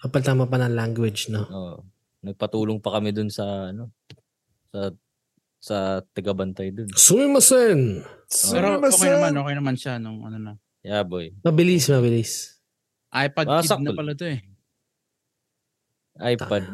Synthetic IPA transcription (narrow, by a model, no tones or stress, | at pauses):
kɐpɐlt̪aːmɐp̬ɐnɐŋlaŋɡwɛd͡ʒnooʔ | nɐɡ̚pɐt̪uːloŋpɐkɐmɪd̪ʊnsɐɐno̞ | sɐ | sɐt̪ɐɡabɐnt̪ajd̪onsumɪmɐsɛnsɾmɐokɐjnɐmanʔoːkejnɐmanʃanʊŋɐ̰nonɐ | jaːbojmɐbɪlismɐbɪlis | ʔajpɐdsɐnpɐlɐt̪oɛ | ʔajpɐd̪̚